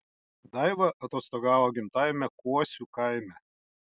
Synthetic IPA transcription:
d̪ɑɪʋɐʔɐt̪oːst̪oːɡɑːʋoːɡʲɪmt̪ɑɪmʲɛkuɔsʲukɐɪmʲɛ

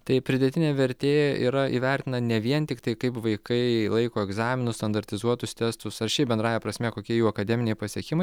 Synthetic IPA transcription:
t̪ɐɪpʲɾʲɪd̪ʲɛt̪ʲɪnʲeːʋʲɛɾʲt̪ʲeːjɛʔḭːɾɐʔiːʋʲɛɾʲt̪ʲɪnɐnʲɛʋʲiɛnt̪ʲɪkt̪ɐɪkɐɪpʋɐɪkɐɪlˠɐɪkoːɛɡzɑːmʲɪnʊst̪ɐnd̪ɐɾʲt̪ʲɪzuɔt̪ʊst̪ʲɛst̪ʊsɐrʃʲɛɪbʲɛnd̪ɾɑːjɛpɾɐsʲmʲɛkoːkʲiɛjuːɐkɐd̪ʲɛmʲɪnʲɛɪpɐsʲiɛkʲɪmɐɪ

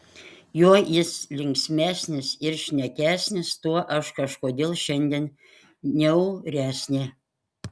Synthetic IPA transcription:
juːjɪslʲɪŋʲksʲmʲæːsʲnʲɪsɪɾʃʲnʲɛkʲæːsʲnʲɪst̪uɔʔɐʃkɐʃkoːd̪ʲeːlˠʃʲɛnʲd̪ʲeɛn | nʲɛʊɾʲæːsʲnʲeː

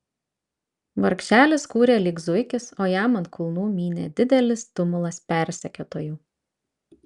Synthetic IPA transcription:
ʋɐɾkʃʲæːlʲɪskuːɾʲeːlʲɪɡzʊɪkʲɪsoːjæːmɐnt̪kʰʊlˠnuːmʲiːnʲḛd̪ʲɪd̪ʲɛlʲɪst̪ʊmʊlˠɐspʲɛˑɾʲsʲɛkʲoːt̪oːjuː

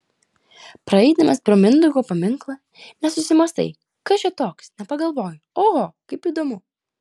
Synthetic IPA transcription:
pɾɐɛɪd̪ɐmɐspʲɾomʲɪnd̪ʊɡoːpɐmʲɪŋklˠɐ | nʲɛsʊsʲɪmɐst̪ɐ̰ɪ | kɐʃʲɛt̪oːksnʲɛpɐɡɐlˠʋoːjʊoɦokɐɪpiːd̪oːmʊ

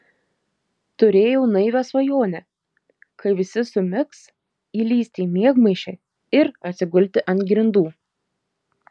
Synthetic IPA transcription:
t̪ʊɾʲeːjɛʊnɐɪʋʲæsʋɐjoːnʲɛ | kɐɪʋʲɪsʲɪsʊmʲɪks | iːlʲiːsʲt̪ʲiːmʲiɛɡmɐɪʃʲɛ | ɪɾɐt̪ʲsʲɪɡʊlʲt̪ʲɪʔɐnt̪ɡʲɾʲɪnd̪uː

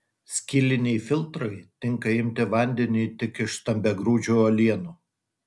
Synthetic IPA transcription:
sʲkʲiːlʲɪnʲɛɪfʲɪlˠt̪ɾɐɪt̪ʲɪŋkɐɪmʲt̪ʲɪʋɐnʲd̪ʲɛnʲɪːt̪ʲɪkɪʃst̪ɐmʲbʲɛɡɾuːd͡ʒʲuːolʲiɛnu

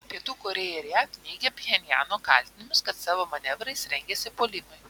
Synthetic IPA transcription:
pʲiɛt̪uːkoːɾʲejɛɾʲækʲnʲiːɡʲɛpʲjɛnʲjæːnoːkɐ̰ˑlʲt̪ʲɪnʲɪmʲʊskɐt̪sɑːʋoːmɐnʲɛʋɾɐɪsɾʲɛŋʲɡʲɛːsʲɪpoːlʲɪmɐɪ

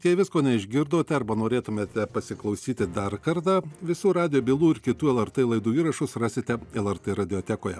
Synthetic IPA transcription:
t̪ʲɛʋʲɪskoːnʲɛɪʒʲɡʲɪɾd̪oːt̪ʲɛɐɾbɐnoːɾʲeːt̪ʊmʲeːt̪ʲɛpɐsʲɪklˠɐʊsʲiːt̪ʲɪd̪ɐrkɐɾt̪ɑːʋʲɪsuːɾɑːd̪ʲɪjoːbʲiːlˠuːɪɾkʲɪt̪uːɛlˠɛrt̪ɛːlˠɐɪd̪uːiːɾɐʃʊsrɑːsʲɪt̪ʲɛɛlˠɛɾt̪ɛːɾɐd̪ʲɪjoːt̪ʲæːkoːjɛ̰

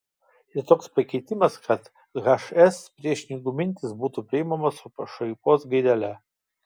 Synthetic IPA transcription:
ɪrt̪oːkspɐkʲɛɪt̪ʲɪmɐskɐt̪ | ɣɐʃɛspʲɾʲiɛʃʲnʲɪɡʊmʲɪnʲt̪ʲɪsbuːt̪upʲɾʲɪɪmɐmɐsʊpɐʃɐjkoːsɡɐɪd̪ɐlʲɛ

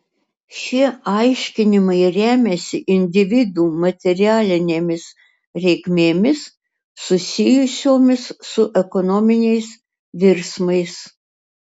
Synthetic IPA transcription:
ʃʲiɛɐɪʃʲkʲɪnʲɪmɐɪɾʲæːmʲɛsʲɪʔɪnʲd̪ʲɪʋʲɪd̪uːmɐt̪ʲɛɾʲɪæːlʲɪnʲeːmʲɪs | ɾʲɛɪkmʲeːmʲɪsː | ʊsʲɪjʊsʲoːmʲɪsːʊʔɛkɔnɔːmʲɪnʲɛɪs | ʋʲɪɾsmɐɪs

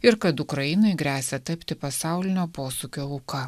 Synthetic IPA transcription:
ɪɾkɐt̪ʊkɾɐjɪnɐɪɡɾʲæːsʲɛt̪ɐpʲt̪ʲɪpɐsɑˑʊlʲɪnʲoːpoːsuːkʲoːʊkɐ

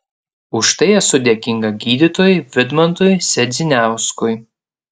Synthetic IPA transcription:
ʊʃt̪ɐɪɛsʊd̪ʲɛkʲɪŋɡɐɡʲiːd̪ʲɪt̪oːjɪʋʲɪd̪mɐnt̪ʊjsʲɛd̪zʲɪnʲæˑʊskʊj

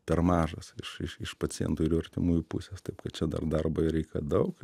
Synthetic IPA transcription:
pʲɛrmɑːʒɐsɪʃɪʃɪʃpɐt͡sʲɪjɛ̰nt̪uːɪɾɐɾʲt̪ʲɪmuːjupʊsʲeːst̪ɐɪpkɐt̪̚t͡ʃʲɛd̪ɐ̰rd̪ɐrboːɾʲɛɪkɐ̰d̪ɐʊk

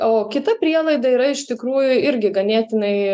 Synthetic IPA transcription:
oːkʲɪt̪ɐpʲɾʲiɛlˠɐɪd̪ɐiːɾɐɪʃt̪ʲɪkɾuːjʊɪɾʲɡʲɪɡɐnʲeːt̪ʲɪnɐɪ

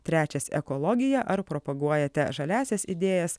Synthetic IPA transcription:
t̪ʲɾʲæːt͡ʃʲɛsɛ̰kɔlˠɔɡʲɪjɛʔɐɾpɾɔpɐɡuɔjɛt̪ʲɛʒɐlʲæːsʲɛsɪd̪ʲeːjɛs

